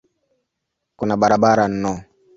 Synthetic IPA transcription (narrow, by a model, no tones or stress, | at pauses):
kunabaɾabaɾanːɔ